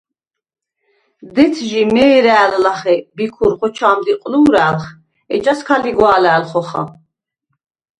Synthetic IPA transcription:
d̪ɛt̪ʰʒimɛːɾæːllaχɛbikʰuɾχɔt͡ʃʰaːmd̪iqʼluːɾaːlχ | ɛt͡ʃʼaskʰaliɡwaːlaːlχɔχa̰

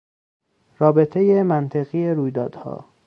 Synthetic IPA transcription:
rɒːbe̞t̪ʰe̞jemænt̪ʰeɣijeɾuːjd̪ɒːd̪̥hɒ̰ː

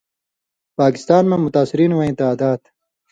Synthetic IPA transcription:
paːkɪ̥st̪aːnmãmʊt̪aːsɪɾiːnwɐẽːt̪aːd̪aːd̪

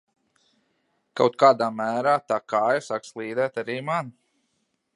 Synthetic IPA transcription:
kawt̪̚kaːd̪aːmæːɾaːt̪aːkaːjasakslˠiːd̪ɛːt̪aɾiːman

